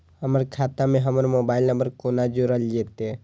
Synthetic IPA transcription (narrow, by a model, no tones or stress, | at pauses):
həməɾkʰaːt̪amẽɦəməɾmoːbaːɪlnəmbəɾkonad͡ʒoɾəld͡ʒeːt̪ee